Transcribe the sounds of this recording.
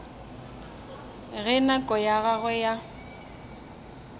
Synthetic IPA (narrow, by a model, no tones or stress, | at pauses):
ɣɛnakʼɔjaɣaɣɛja